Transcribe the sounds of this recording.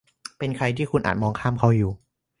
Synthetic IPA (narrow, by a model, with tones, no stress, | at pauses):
pe˧nkʰɾa˧jt̪ʰiː˥˩kʰu˧nʔa̰ː˨˩t̪̚mɔː˧ŋkʰaː˥˩mkʰa˥˩wjuː˨˩